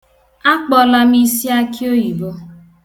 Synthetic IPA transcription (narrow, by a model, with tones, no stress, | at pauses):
a˦k͡pɔ˦la˦mi˦si˦a˦ki˦o˦ji˨bo˦